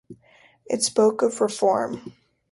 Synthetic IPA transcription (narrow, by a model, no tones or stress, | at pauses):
ʔɨ̰tspoʊkʌvɹɪfɔɹm